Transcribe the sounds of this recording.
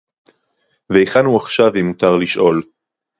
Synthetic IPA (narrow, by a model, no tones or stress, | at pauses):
veiχanuaχʃavimutaʁliʃʔo̞l